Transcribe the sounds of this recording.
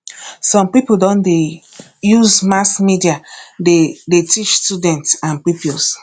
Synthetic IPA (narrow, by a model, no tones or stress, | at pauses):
sɔ̃mpipodɔ̃nde | juzmaskmidiadedetit͡ʃstudɛ̃ntsãnpɹipios